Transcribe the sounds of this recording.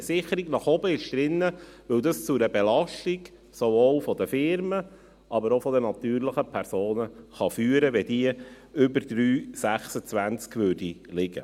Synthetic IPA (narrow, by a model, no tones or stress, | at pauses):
əsɪχəɾiɡnɑχɔbəɪʃd̪̥ɾɪnːəʋɵwd̪əst͡sʊɾəbelɑʃtiɡ | sovoːlfɔd̪əfɪɾmə | ʔɑbəɾofɔd̪ənɑt̪yːɾləχəpʰɛɾsoːnəχɑfyːəɾəʋɛd̥̪iə | ʏbəɾd̪̥ɾyːsæχsət͡sʋænt͡skʋøːdilɪɡə̰